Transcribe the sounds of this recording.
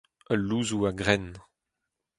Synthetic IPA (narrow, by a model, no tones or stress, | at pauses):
əlːuːzuaɡʁɛn